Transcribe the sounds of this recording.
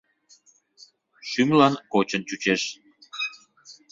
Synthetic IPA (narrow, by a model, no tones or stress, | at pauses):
ʃymlɑnkot͡ɕənt͡ɕut͡ɕeʃ